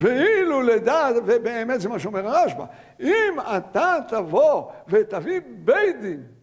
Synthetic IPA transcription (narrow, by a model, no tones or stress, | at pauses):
veiluled̪at̪vebeːmet̪zemaʃeomeʁaʁaʃba̰ | imat̪at̪avovet̪avibejd̪im